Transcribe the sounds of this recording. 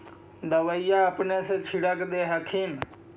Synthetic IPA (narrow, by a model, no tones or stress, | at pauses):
d̪əʋəijaəpneset͡ʃʰiɽəkd̪eːɦəkʰeːn